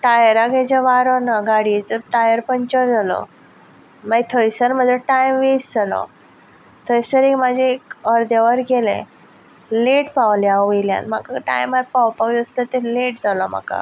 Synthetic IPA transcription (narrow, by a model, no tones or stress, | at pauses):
ʈajəɾaɡet͡ɕaʋaɾɔnaɡaɽiet͡səʈajəɾpəɲt͡ɕəɾd͡zʱalɔ̰ | mait̪ʰojsəɾməd̪ʱeʈajmʋesd͡zalɔ̰ | t̪ʰəjsəɾekmad͡ʑʱeːkəɾd̪ʱjaʋəɾɡelḛ̃ | leʈpawljãəjlja̰nmakaʈa̰jmaɾpawpəkd͡zəst̪ət̪eleʈd͡zʱalɔm̤a̰ka̰